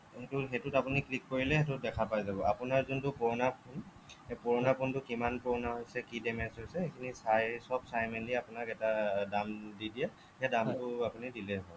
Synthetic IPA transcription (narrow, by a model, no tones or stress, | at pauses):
tʊɦetutapuniklikːoɹilɛɦetʊtdɛkʰapajzabɔapʊnaɹzuntʊpɔɹɔnapʰun | epɔɹɔnapʰuntʊkimanpɔɹɔnaɦojsɛkidɛmɛnsɦojsɛɦejkʰinisajsɔbsajmɛnliapʊnakɛtadamdidijɛ | hedamtʊapunidilɛɦɔl